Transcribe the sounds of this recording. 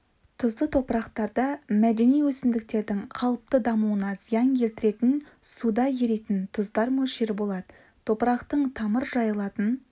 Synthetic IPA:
t̪ʰʊzd̪ət̪ʰo̞pɾɑqt̪ɑɾd̪ɑmæd̪e̞nijwɵsɪmd̪ɪk̚t̪e̞ɾd̪ɪŋqʰɑlˠəp̚t̪əd̪ɑmuənɑzijɑŋkʲʰe̞lt̪ɪɾe̞t̪ɪn | sud̪ɑje̞ɾet̪ɪnt̪ʰʊzd̪ɑɾmɵʃeɾɪbo̞lˠɑd̪ə | t̪ʰo̞pɾɑqt̪əɴt̪ʰɑməɾʒɑjəlˠɑt̪ən

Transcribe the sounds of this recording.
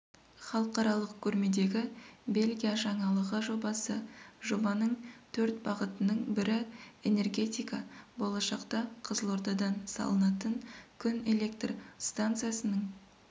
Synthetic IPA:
χɑlˠəqɑɾɑlˠəq̚kʲʰɵɾme̞d̪e̞ɡʲɪbe̞lʲɡʲijaʒɑɴɑlˠəʁəʒo̞bɑsəʒo̞bɑnəɴt̪ʰɵɾt̪̚bɑʁət̪ənəɴbɪɾɪene̞rɡʲe̞t̪ijkɑbo̞lˠɑʃɑqt̪ɑqʰəzəlˠoɾd̪ɑd̪ɑnsɑ̰lˠənɑt̪əŋkʲʰʏne̞le̞kt̪rst̪ant̪sɨjasənəɴ

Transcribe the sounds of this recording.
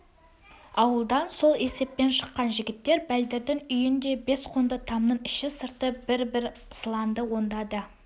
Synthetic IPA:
ɑwəlˠd̪ɑnso̞lˠe̞se̞p̚pe̞nʃə̥qːɑnʒɪɡʲɪt̪ːe̞ɾbæld̪ɪɾd̪ɪŋʏjɪnd̪e̞be̞sqʰond̪ət̪ʰɑmnəɴɪʃɪsəɾt̪əbɪɾbɪɾ | slˠɑnd̪əwo̞nd̪ɑd̪ə

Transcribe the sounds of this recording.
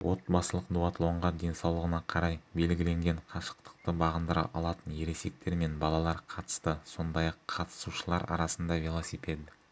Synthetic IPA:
wʔo̞t̪̚bɑsəlˠəqd̪uɑt̪lˠo̞ɴʁɑd̪e̞nsɑwlˠəʁənɑqʰɑɾɑjbe̞lɡʲɪle̞ŋɡʲe̞ɴqʰɑʃə̥q̚t̪ə̥q̚t̪əbɑʁənd̪əɾɑ̰ʔɑ̰lˠɑt̪ənje̞ɾe̞se̞k̚t̪e̞ɾme̞nbɑlˠɑlˠɑɾqʰɑt̪ə̥st̪əso̞nd̪ɑjɑqʰːɑt̪ə̥suʃəlˠɑɾɑ̰ɾɑsənd̪ɑvʲelˠosiped̪ɪ

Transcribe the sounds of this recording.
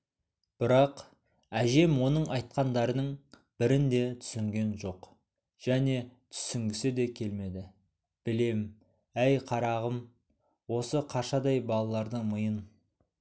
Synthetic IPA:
b̥ɪɾɑq | æʒe̞mwo̞nəɴʔɑjt̪̚qɑnd̪ɑɾənəɴ | b̥ɪɾɪnd̪e̞t̪ʰʏ̥sɪŋɡʲe̞nʒo̞q | ʒ̥æne̞t̪ʰʏ̥sɪŋɡʲɪsɪd̪e̞kʲʰe̞lme̞d̪ɪ | b̥ɪle̞m | æjqʰɑɾɑʁəm | wo̞səqʰɑʃɑd̪ɑjbɑlˠɑlˠɑɾd̪əɴməjən

